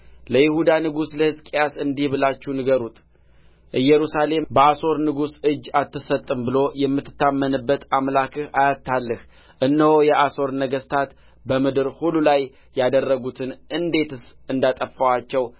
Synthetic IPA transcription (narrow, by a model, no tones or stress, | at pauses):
ləjɪhud̪anɨɡusləhɨskʼjasɨnd̪ihbɨlat͡ʃːunɨɡəɾut̪ʰʼ | ʔɨjːɛɾusale̞mbəaso̞ɾnɨɡusɨd͡ʒːat̪ːɨsət̪ʼːɨmbɨlo̞jɛmːɨt̪ːɨ̥t̪ːamːənɨbːət̪amlakʰɨhajat̪ːalːɨh | ʔɨnːəhojɛʔaso̞ɾnəɡəst̪ʰat̪ | bəmɨd̪ɨɾhulːulaj | jad̪ərːəɡut̪ʰɨnʔɨnd̪e̞t̪ɨsɨnd̪at̪ʼəfːawat͡ʃːɛw